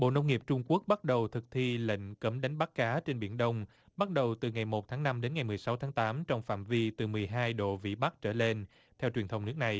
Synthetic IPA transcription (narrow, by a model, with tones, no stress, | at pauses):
ɓo̰˧˨nə˧wŋ͡mŋi˨˩əp̚t͡ɕʊ˧ŋ͡mku˦˥ək̚ɓa˦˥t̚ɗə˨˩wt̪ʰɨ˨˩k̚t̪ʰi˧lḛ˧˨ŋ̟kə˨˦mɗa˨˦ŋ̟ɓa˦˥k̚kaː˨˦t͡ɕe˧nɓi˧˩ənɗə˧wŋ͡m | ɓa˦˥t̚ɗə˨˩wt̪ɨ˨˩ŋa˨˩jmo˨˩t̚t̪ʰaː˨˦ŋna˧mɗe˨˦nŋa˨˩jmɨ˨˩əjsa˨˦wt̪ʰaː˨˦ŋt̪aː˨˦mt͡ɕɔ˧wŋ͡mfa̰ː˧˨mvi˧t̪ɨ˨˩mɨ˨˩əjɦaː˧jɗo̰˧˨vḭ˧˨ɓa˦˥k̚t͡ɕəː˧˩le˧n | t̪ʰɛ˧wt͡ɕwi˨˩ənt̪ə˧wŋ͡mnɨ˦˥ək̚na˨˩j